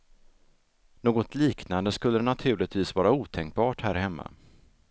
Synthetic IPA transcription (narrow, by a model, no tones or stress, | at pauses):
noːɡɔt̪ʰliːknand̪əskɵlːəɛnat̪ʰʉ̟ːɭɪt̪viːsvɑːɾauːt̪ʰɛŋk̚bɑːʈhæːɾhɛmːa̰